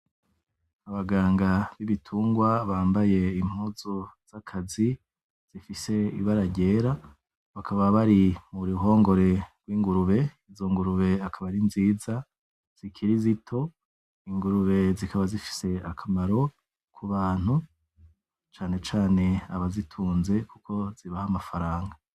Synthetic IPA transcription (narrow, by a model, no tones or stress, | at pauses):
aβaɡaːŋɡaβiβitʰuːŋɡwaβaːmbaje̞imhuːzoz̥akʰazi | z̥ifise̞ḭβaɾaɟe̞ːɾa | βakʰaβaβaɾimuɾiɦo̞ːŋɡo̞ɾe̞ɡ̥wiːŋɡuɾuβe̞izoŋɡuɾuβe̞akʰaβaɾinziːza | z̥ikʰiɾizitʰo̞ | iŋɡuɾuβe̞zikʰaβazifi̥se̞akʰamaɾo̞ | kʰuβaːn̥hu | t͡ʃaːne̞t͡ʃaːne̞aβazitʰuːnze̞kukʰo̞z̥iβahamafaɾaːŋɡa